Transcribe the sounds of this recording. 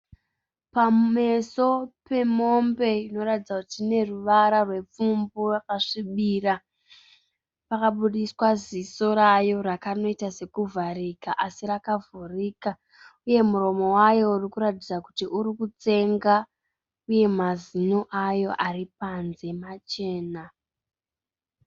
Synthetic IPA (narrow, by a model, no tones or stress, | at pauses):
pame̞so̞pe̞mo̞mbe̞ino̞ratid͡zakutine̞ruʋaɾarwe̞p͡fumburakaʂiɓira | pakaɓuɗiswaziso̞ɾajo̞ɾakano̞itase̞kuvaɾikaʔasirakavuriːka | uje̞muɾo̞mo̞wajo̞urikuɾatid͡zaku̥tiʔuɾikut͡se̞ŋɡa | uje̞mazino̞ʔajo̞ʔaripanze̞mat͡ʃe̞ːna